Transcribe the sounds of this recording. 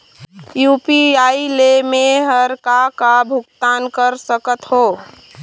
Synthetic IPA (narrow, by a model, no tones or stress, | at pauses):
jupiailemeɦəɾkakabʱukt̪ankəɾsəkət̪ɦo